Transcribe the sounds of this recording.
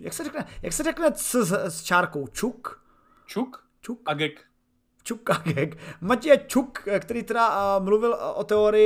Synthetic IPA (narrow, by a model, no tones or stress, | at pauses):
ja̰ksɛɾɛknɛjaksɛrɛknɛsɛst͡ʃaːɾkowt͡ʃuk | t͡ʃuk | t͡ʃukɡɛk | t͡ʃukaɡɛkmacjɛt͡ʃukkt̪ɛɾiːt̪ɛdamluvɪlʔot̪ɛoɾɪjɪ